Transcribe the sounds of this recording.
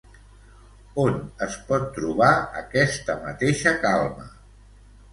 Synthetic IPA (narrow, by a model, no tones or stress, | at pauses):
onəspɔt̪ːɾuβ̞aə̰kɛst̪əmət̪eʃəkalˠmə̰